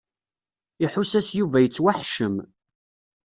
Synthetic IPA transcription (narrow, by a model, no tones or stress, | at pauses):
iħusæsjuvæjət͡sːwaħʃəm